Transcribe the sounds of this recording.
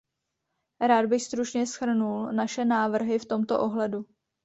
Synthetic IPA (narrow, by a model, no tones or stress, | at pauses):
ɾaːd̪̚bɪxst̪ɾut͡ʃɲɛsxr̩nulnaʃɛnaːvr̩ɦɪft̪o̞mt̪o̞̰ʔo̞ɦlɛdu